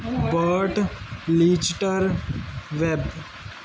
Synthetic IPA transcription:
bəʈliːd͡ʒʈəɾ | ʋeb

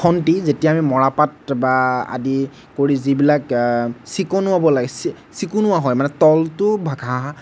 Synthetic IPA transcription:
kʰɔntizetijaamimɔɹapatbaa̰di | koɹizibilaksikɔnʊwabɔlaɡɛsi | sikunʊwaɦɔjmanɛtɔltʊbʱaɡʰʱaa

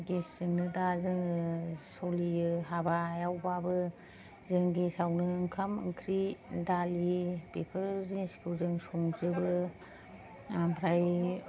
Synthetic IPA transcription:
ɡeszɯŋnɯdazɯŋsolijɯɦabajawbabɯ | zɯŋɡesawnɯːŋkʰamɯ̰ŋkʰɾidalipepʰɯɾziniskʰɯwzɯŋsoŋzɯbɯ | pʰɾaj

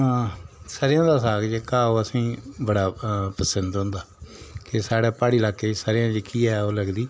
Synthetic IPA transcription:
ãːsaːɾɪjãːd̪aːsaːɡd͡ʒeːkaːoːəsĩːbəɽaːpəsənd̪ɦʊ̃ːnd̪aːkɪsaːɽɛːpaːɽiːlaːkːeːsaːɾɪjãːd͡ʒekiːɛːoːləɡd̪iː

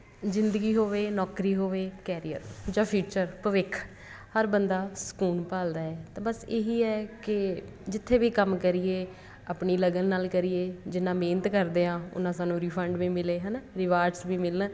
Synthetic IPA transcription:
zɪnd̪əɡiːɦoːʋeːnɔːkɾiːɦoːʋeːkɛːɾiə̰ɾd͡ʒãːpʰiːt͡ʃəɾpəʋɪkʰ | həɾbənd̪aːsə̥kuːnpaːld̪aːɛːt̪ãːbəseːɦiːɛːkɪ | d͡ʒɪt̪ʰːeːʋiːkəmkəɾiːeː | aːpɳiːləɡənːaːlkəɾiːeːd͡ʒɪnːãːmeːnət̪kəɾd̪eːãːʊ̰nãːsaːnũːɾiːpʰəɳɖʋiːmɪleːɦɛːnaːɾɪʋaːɾɖsʋiːmɪlnː

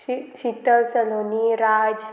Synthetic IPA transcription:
t͡ʃit̪əsəloniɾad͡ʒ

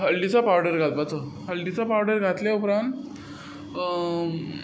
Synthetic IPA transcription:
ɦəlɖit͡sapawɖəɾɡʱat̪bat͡səhəlɖit͡sapawɖəɾɡʱat̪ljaupɾãnt̪

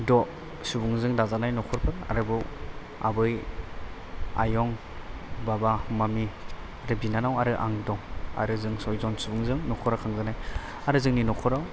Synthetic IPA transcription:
dɔʔ | subuŋzɯŋdazanajnɔkʰɔɾpʰɯɾa̰ɾɯbɯ | a̰bɯj | a̰jɔŋ | babamami | aɾɯbinanawaɾɯʔa̰ŋdɔŋa̰ɾɯzɯŋsɔjzɔnsubuŋzɯŋnɔkʰɔɾakʰaŋɡɯnaj | aɾɯzɯŋninɔkʰɔɾaw

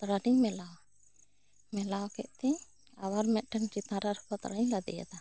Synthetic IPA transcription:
t̪ɾaɖiɲmɛlaw | mɛlawkɛʔt̪ɛ̃ | awaɾmɛʔ̪̚ˀʈəŋt͡ʃit̪ãɾaɾɔkɔt̪ɾɲlad̪ɛ̰ja̰d̪a

